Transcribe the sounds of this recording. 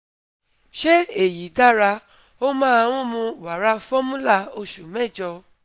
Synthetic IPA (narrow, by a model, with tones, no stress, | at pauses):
ʃe˦e˨ji˨˦da˦ɾa˧ | o˦mãː˦˧w̃ɔ̃˦˧mũ˧˨wa˨˦ɾa˧˦fɔ˦mũ˦la˦˧o˧ʃu˨mɛ̃˦˨d͡ʒɔ˧